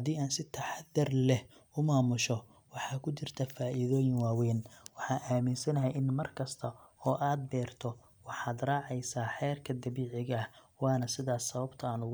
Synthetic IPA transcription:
hɐd̪iːaːnsɪt̪ʰɐħɑðːɐrlɛhʊmaːmʊʃɔ | wɑħɑːkʰʊt͡ʃɪrt̪ʰɐfaːʔɪðɔːjɪŋwaːwɛːnwɑħɑːʔaːmɪnsɐnɐɦɛjʔɪnmɐrkʰɐst̪ʰɐɔːʔaːd̪̚bɛːrt̪ʰɔ | wɑħɑːd̪rɑːʕɛjsaːħɛːrkʰɐd̪ɐβiːʕɪɣɐɐwɑːnɐsɪðaːsɐβɐbt̪ʰɐaːnʊɣ

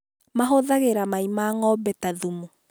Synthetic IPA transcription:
maɦoðaɣeɾamaimaŋɔbɛtaðumu

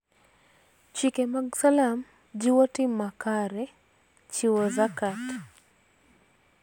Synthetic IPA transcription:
t͡ʃikɛmaɡsalam | d͡ʒiwɔtimakaɾɛ | t͡ʃiwɔzakat

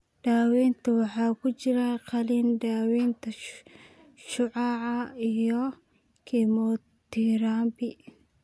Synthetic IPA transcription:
ɖ̥aːwɛːnt̪ʰɐwɑħɑːkʊt͡ʃɪɾaqɐlind̪aːwɛːnt̪ʰɐ | ʃʊʕaːʕɐijɔ | kʰɛmɔː | t̪iːɾaːmbɪ

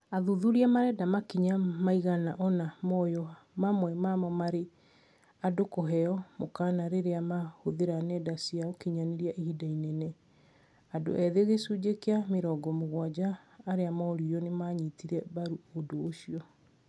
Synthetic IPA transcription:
aðuðuɾiamaɾɛdamakiɲamaiɣanaʔɔnamɔjɔ | mamwɛmamɔmaɾe | adokoɦɛɔmokaːnaɾeɾeamahoðeɾanɛdasiaokiɲaneɾiaʔihidainɛnɛ | ado̰ʔɛðeɣesud͡ʑekeameɾɔːɡɔmoɣwad͡ʑaːɾeamɔɾijɔnemaɲitiɾɛβaɾuodoːʃiɔ

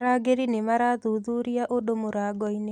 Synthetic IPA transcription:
aɡeɾinemaɾaðuðuɾiaʔodomoɾaɡɔine

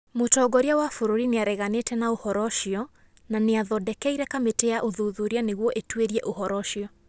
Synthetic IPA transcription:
motɔɡɔɾiawafoɾoɾineaɾɛɣanetɛnaohɔɾɔʃiɔ | naneaðɔdɛkɛiɾɛkametɛaʔoðuðuɾianeɣwɔʔetweɾiɛʔohɔɾɔʃiɔ

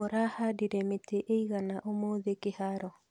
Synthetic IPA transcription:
oɾahadiɾɛmeteʔeiɣanaʔomoːðekehaɾɔ

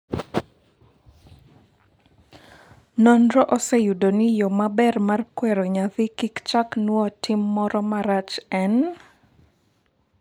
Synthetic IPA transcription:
nɔnɾɔʔɔsɛjudonɪjomabɛrmarkwɛɾoɲaðɪkikt͡ʃaknwɔtʰɪmːɔɾɔmaɾat͡ʃɛn

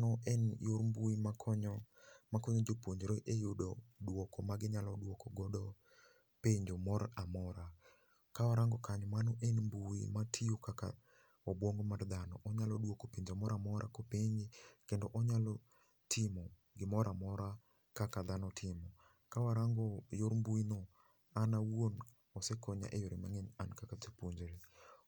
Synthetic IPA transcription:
nɔɛnjoɾmbuimakʰɔɲɔ | makɔɲɔd͡ʒopwoɲd͡ʒɾoʔejʊdɔdwokɔmaɡɪɲalɔdwɔkɔɡɔdɔ | peɲd͡ʒomɔɾamɔɾa | kawaɾaŋɡɔkaɲɔmanɔʔɛnmbuḭmatʰiukaka̰ | ɔbwoŋɡɔmard̪anɔ̰ʔɔɲalɔdwokopeɲd͡ʒomɔɾamɔɾa̰kopeɲd͡ʒɪkendoʔɔɲalɔ | tʰɪmɔ | ɡɪmɔɾʔamɔɾa | kakad̪anɔtʰɪmɔ | kawaɾaŋɡɔjoɾmbuinɔ | anawon | ɔsɛkɔɲa̰ʔejoɾimaŋɛnankakat͡ʃepuɲd͡ʒɾe

